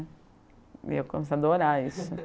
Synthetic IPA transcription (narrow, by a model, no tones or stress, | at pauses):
ḭewkõmesad̪oɾaisʊ